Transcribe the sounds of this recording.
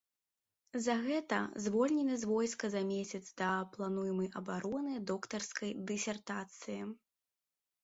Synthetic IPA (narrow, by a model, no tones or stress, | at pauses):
zɐɣɛt̪ɐzvɔlʲnʲɛnɨzvɔjskɐzamʲesʲɐt̪zd̪ɐplˠanujmɐjɐbaɾɔnɨd̪ɔkt̪ɐrskɐjd̪ɨsʲɛrt̪at̪sɨji